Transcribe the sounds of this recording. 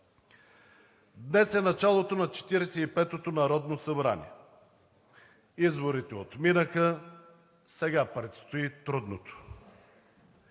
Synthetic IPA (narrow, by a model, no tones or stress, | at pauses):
d̪nɛsɛnɐt͡ʃalˠot̪onɐt͡ʃɛ̥t̪iɾɛsɛipɛt̪ot̪onɐɾɔd̪nosɐbɾanʲḭɛ | izboɾit̪ɛot̪minəxə | sɛɡapɾɛt̪st̪oit̪ɾud̪not̪o̥